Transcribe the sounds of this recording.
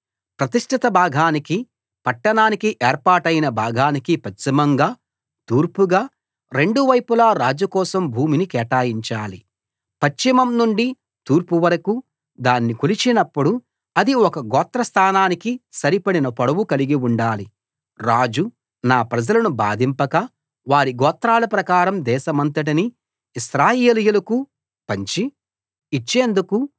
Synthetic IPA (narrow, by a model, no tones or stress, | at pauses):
pɾɐt̪iʂʈʰit̪ɐbʱaːɡʱaːniki | pɐʈːɐɳaːnikiʔɛːɾpaːʈɐjinɐbʱaːɡʱaːnikipɐt͡ʃːimɐŋɡaː | t̪uːɾpuɡaː | ɾe̞ɳɖuʋɐjpulaːɾaːd͡ʒukɔːsɐmbʱuːminikɛːʈaːjiɲt͡ʃaːlḭ | pɐt͡ʃːimɐmnuɳɖi | t̪uːɾpuʋɐɾɐku | d̪aːnːikulit͡ʃinɐpːuɽu | ɐd̪iɔkɐɡɔːt̪ɾɐst̪ʰaːnaːnikisɐɾipɐɽinɐpɐɽɐwukɐliɡiuɳɖaːli | ɾaːd͡ʒu | naːpɾɐd͡ʒɐlɐnuba̰ːd̪ʱimpɐkɐ | ʋaːɾiɡɔːt̪ɾaːlɐpɾɐkaːɾɐmd̪ɛːʃɐmɐnt̪ɐʈ̬ini | isɾaːjeːlijulɐku | pɐɲt͡ʃiː | t͡ʃːe̞ːnd̪uku